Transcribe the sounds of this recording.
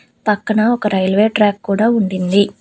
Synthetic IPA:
pɐkːɐɳɐɔkɐɾʔɐjɐlʋeːʈɾaːkkːuːɽaːuɳɖind̪i

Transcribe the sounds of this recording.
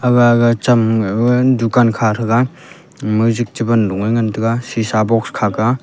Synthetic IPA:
aɡaɡat͡ʃam | dukankʰaɾɯɡa | muzik̚tibɐnluŋɯjŋantɯɡasisabɔkskʰaɡa

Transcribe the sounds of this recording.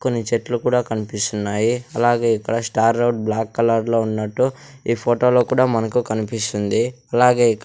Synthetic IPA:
ko̞nːit͡ʃeʈlukuːɽaːkɐnipist̪unːaːjiɐlaːɡe̞ːikːɐɽɐsʈaːɾːɐwʈ̚blaːkːɐlɐɾlo̞ːunːɐʈːu | iːpʰoːʈo̞ːloːkuːɽaːmɐnɐkukɐnipist̪und̪iɐlaːɡe̞ːikː

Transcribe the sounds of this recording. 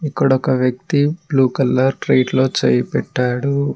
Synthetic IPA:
ikːɐɽɔkɐʋjɐk̚t̪ibluːkɐlːɐɾʈɾejʈlo̞ːt͡ʃejɐpɛʈːaːɽu

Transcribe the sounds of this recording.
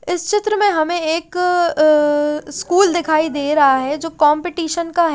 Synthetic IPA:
ɪst͡ʃɪt̪ɾəmẽɦɐmẽeːk | skuːld̪ɪkʰaːid̪eːɾɐɦaɦɛd͡ʒoːkɔ̃ːmpɪʈiːʃənkaɦ

